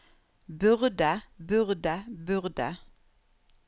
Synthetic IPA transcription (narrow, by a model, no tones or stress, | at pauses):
bʉʁd̪abʉʁd̪abʉʁd̪a̰